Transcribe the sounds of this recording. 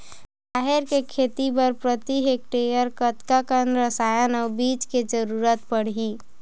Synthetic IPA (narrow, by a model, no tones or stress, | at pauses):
b | aːɦeɾkekʰeːt̪ipəɾpɾət̪iɦek̚ʈejəɾkət̪kakənɾəsaːjənɔːbiːt͡ʃked͡ʒəɾuːɾət̪pəɽ̤ɦi